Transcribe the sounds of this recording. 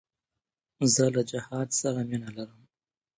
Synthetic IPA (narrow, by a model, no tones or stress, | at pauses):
zəlad͡ʒɪhɑd̪saɾaminalaɾəm